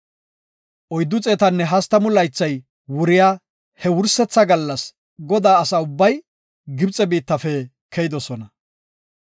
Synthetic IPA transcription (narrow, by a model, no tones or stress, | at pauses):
ʔɔjd̪ːʊt͡sʼeːt̪ɐnːɛɦɐst̪ːɐmʊlɐjt͡sːɐj | wʊɾɪjaː | hɛwʊɾsɛt͡sːɐɡɐlːɐs | ɡɔd̪aːsɐʊbːɐj | ɡɪbt͡sʼːɛbiːt̪ːɐfɛ | kɛjɪd̪ɔsɔnɐ